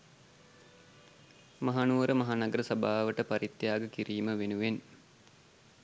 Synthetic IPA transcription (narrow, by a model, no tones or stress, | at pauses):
maɦaːnuʋəɾəmaɦaːnɐɡəɾəsɐbaːʋəʈəpaɾit̪ːjaːɡəkiɾiːməʋenuʋen